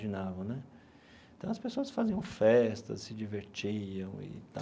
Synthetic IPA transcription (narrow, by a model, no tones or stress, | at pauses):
ʒinavɐ̃w̃nɛ | ẽt̪ɐ̃w̃ɐspesoɐsfaziɐ̃w̃fɛst̪ɐ̰ssɪd͡ʒiveɾt͡ʃiɐ̃w̃ɪ̰t̪a